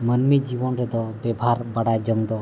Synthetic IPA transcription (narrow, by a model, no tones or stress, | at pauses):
mənmid͡ʒibɔnɾɛd̪ɔbɛbʱaɾbaɽad͡ʒəŋd̪ɔ